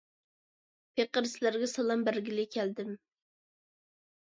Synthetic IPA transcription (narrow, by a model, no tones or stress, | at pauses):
pʰeqəɾslæɾɡʲɛsɑlˠɑmbæɾɡʲilɪkʲʰæld̪ɪm